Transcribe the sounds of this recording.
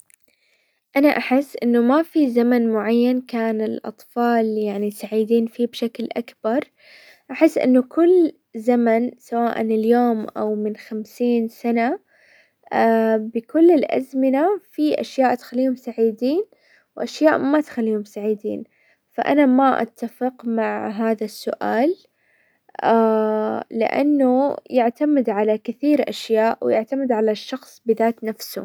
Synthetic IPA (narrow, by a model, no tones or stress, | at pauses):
ʔanaʔaħɪsːʔɪnːʊmafizamanmʊʕajːankaːnɪlʔɑ̰t̪ˤfɑːljaʕnisaʕiːd̪iːnfiːbʃaklʔakbɑɾˤ | ʔaħɪsːʔɪ̰nːʊkʊlː | zamansawaːʔa̰nɪljoːmʔa̰wmɪnxamsiːnsana | abɪkʊlːɪlʔa̰zmɪnafiʔa̰ʃjaːʔt̪xalːiːhʊmsaʕiːd̪iːn | wʔaʃjaːʔmat̪xalːiːhʊmsaʕiːd̪ḭːn | faʔa̰namaʔa̰t̪ːafɪqmaʕɦaːðasːʊʔa̰ːl | aː | ɪ̰ʔa̰nːʊjɪʕt̪amɪd̪ʕalakɪθiːɾʔa̰ʃjaːʔwjɪʕt̪amɪd̪ʕalaʃːɑxsˤbɪðaːt̪nafsʊ̰